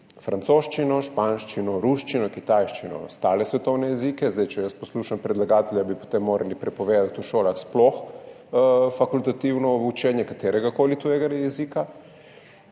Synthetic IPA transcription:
fɾant̪soːʃt͡ʃinɔʃpanʃt͡ʃinɔɾuʃt͡ʃinɔkit̪ajʃt͡ʃinɔ̰st̪aːlɛsʋɛt̪ɔwnɛjɛzikɛzd̪ajt͡ʃɛjəsposluːʃampɾɛd̪laɡaːt̪ɛljabipo̥t̪emːoːɾʔalipɾɛpɔʋeːd̪at̪uʃoːlaxsplɔx | fakult̪at̪iwnɔut͡ʃɛːnjɛkat̪eːɾɛɡakoːlit̪ujɛɡajɛziːka

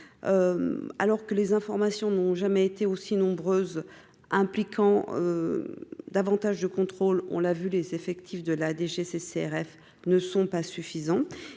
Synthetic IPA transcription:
øa̰lɔʁkəlezɛ̃fɔʁmasjɔ̃nɔ̃ʒamɛet̪eosinɔ̃bʁøːz | ɛ̃plikʰɑ̃ø̰ | d̪avɑ̃t̪aʒd̪əkɔ̃t̪χolɔ̰̃lavylezefɛkt̪ʰifd̪əlad̪eʒeseseɛʁɛf | nəsɔ̃pasyfizɑ̃

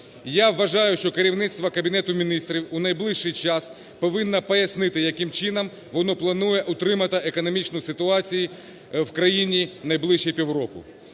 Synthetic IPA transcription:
jaʋːɐʒɑjʊʃt͡ʃɔkeɾʲiwnɪsʲt̪ʋɐkɐbʲinɛt̪ʊmʲinɪst̪ɾʲiwʊnɐjblˠɪʃʃɪjt͡ʃɑs | pɔʋɪnːɐpɔjɐsnɪt̪ɪjɐkɪmt͡ʃɪnɐm | ʋɔnɔplˠɐnujɛʔʊt̪ɾɪmɐt̪ɪʔekɔnɔmʲit͡ʃnʊsɪt̪ʊɑt͡sʲiji | wkɾɐjinʲinɐjblˠɪʃijpʲiwrɔkʊ̰

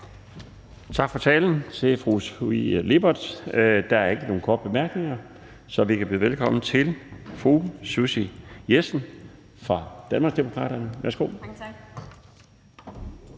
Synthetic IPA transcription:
t͡sʰɑ̈ɡ̥fɒ̽t͡sʰɛ̰ːln̩t͡sʰe̝fʁusile̝b̥ɐd̥d̥ɑ̈æɐe̝ɡ̥əno̝ːn̩kʰɒ̰ːd̥b̥e̝mæɐɡ̥ne̝ŋɐ | sɒ̽ʋikʰæb̥lḭðˠʋelkʰɒ̽m̰n̩t͡sʰe̝lfʁususijesn̩ | fʁɑ̈d̥ænmɑ̈ːɡsd̥emo̝kʰʁɑ̰̈ːɾ̥ɐnəʋæɐsɡ̥o̝̰ː

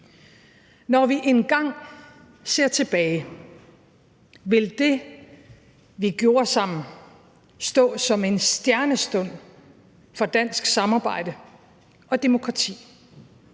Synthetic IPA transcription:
nɒʋiʔe̝nɡ̥ɑ̈ŋ̰ | se̝ɐ̰t͡sʰe̝b̥ɛːɪ | ʋe̝ld̥e̝ | ʋiɡ̥jo̝ːɐsɑ̈m̰n̩ | sd̥ɔ̰̽ːsɒ̽me̝nsd̥jæɐnəsd̥ɔ̽n̰ | fɒ̽d̥æn̰sɡ̥sɑ̈mɑ̈ːb̥ɑ̈ɪ̰d̥ə | ɒ̽d̥e̝mo̝kʰʁɑ̈t͡sʰḭː

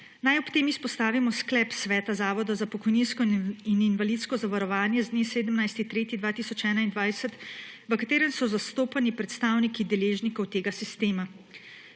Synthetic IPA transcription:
najɔpt̪eːmispɔst̪aːʋimɔsklɛːpsʋɛːt̪azaːʋɔd̪ɔzapɔkɔjninskɔininvalit̪skɔzaʋaɾɔʋaːnjɛzd̪neːseːd̪əmnajst̪it̪ɾeːt̪id̪ʋaːt̪isɔt͡ʃɛːnaind̪ʋajsət̪ | ʋəkat̪eːɾənsɔzast̪oːpanipɾɛt̪st̪aːwnikid̪ɛleːʒnikɔwt̪eːɡasist̪eːma

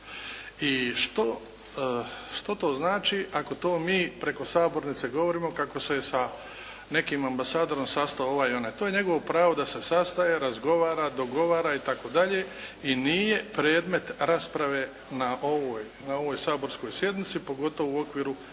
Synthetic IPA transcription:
iʃt̪o | ʃt̪ot̪o̞ːznaːt͡ʃiʔako̞t̪o̞ːmiːpɾe̞ko̞saːbo̞ɾnit̪se̞ɡo̞ʋoɾiːmo̞kako̞se̞sa | ne̞kiːmambasaːd̪o̞ɾo̞msast̪aooʋajio̞net̪oːje̞ɲeɡo̞ʋopɾaːʋo̞d̪ase̞sast̪ajeɾazɡo̞ʋaːɾad̪o̞ɡo̞ʋaːɾait̪ako̞d̪aʎe̞inije̞pɾeːd̪me̞t̪ɾaspɾaʋe̞ː | naʔoʋoːj | nao̞ʋo̞ːjsaːbo̞ɾsko̞jsje̞d̪nit̪sipo̞ɡo̞t̪oʋouo̞kʋiːɾu

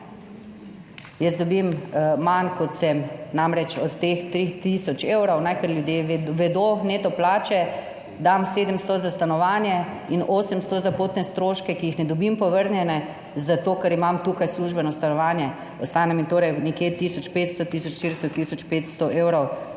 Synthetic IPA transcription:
jəzd̪ɔbimmankɔt̪sɛmnamɾɛt͡ʃɔt̪ːext̪ɾit̪isɔt͡ʃeːwɾɔwnajkəɾljud̪jeʋɛd̪onet̪ɔplaːt͡ʃɛ | d̪amseːd̪əmst̪ɔzast̪anɔʋaːnjɛinoːsəmst̪ɔzapoːt̪nɛst̪ɾoːʃkɛkiixnɛd̪ɔbimpɔʋəɾnjɛnɛ | zat̪oːkɐɾimamt̪ukajsluːʒbɛnɔst̪anɔʋaːnjɛ | ɔst̪aːnɛmit̪oːɾɛjnɛkjet̪iːsɔt͡ʃpeːt̪st̪ɔt̪iːsɔt͡ʃʃt̪iɾst̪ɔt̪isɔt͡ʃpet̪st̪ɔʔeːwɾɔw

